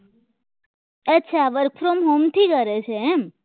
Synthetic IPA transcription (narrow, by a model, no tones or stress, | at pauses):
et͡ʃʰaʋəɾkfɾomɦomt̪ʰikəɾet͡ʃʰeɛm